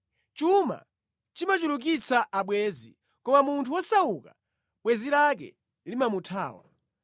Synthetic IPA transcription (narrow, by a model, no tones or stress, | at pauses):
t͡ʃuma̰ | t͡ʃimat͡ʃuluk̬it͡saʔaɓwɛːzḭ | kɔmamuntʰuwɔsauka | ɓwɛzilak̬ɛ̰ | limamutʰa̰ːwa̰